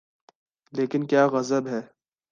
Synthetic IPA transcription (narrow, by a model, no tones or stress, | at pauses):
leːkɪnkjaːɣɐzəbɦɛː